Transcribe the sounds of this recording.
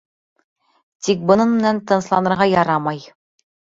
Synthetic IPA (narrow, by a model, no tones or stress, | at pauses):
t̪ik̚bɤ̆nɤnmɘ̆nænt̪ɤ̆nslˠɑnɤ̆ɾʁɑjɑɾɑmɑj